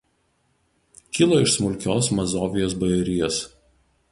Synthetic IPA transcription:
kʲɪlˠoːɪʃsmʊlʲkʲoːsmɐzoːʋʲɪjoːsbɐjɛɾʲɪjɛs

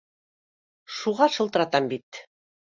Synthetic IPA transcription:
ʃuʁɑʃɤ̆lˠt̪ɤ̆ɾɑt̪ɑmbit̪

